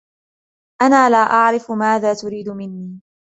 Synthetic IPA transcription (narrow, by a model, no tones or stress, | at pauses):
ʔanaːlaːʔaʕɾɪfʊmaːðaːt̪ʊɾiːd̪ʊmɪnːiː